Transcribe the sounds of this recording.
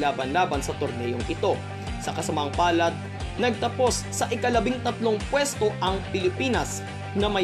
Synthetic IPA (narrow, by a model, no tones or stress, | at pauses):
laːbɐnlaːbɐnsɐt̪oɾnɛjo̞ŋʔɪt̪o̞ | sɐkɐsɐmaŋpaːlɐt̪̚ | nɐɡ̚t̪ɐpo̞sːɐʔɪkɐlɐbɪŋt̪ɐt̪lo̞ŋpwɛst̪o̞ʔɐŋpɪlɪpiːnɐs | ŋɐmɐ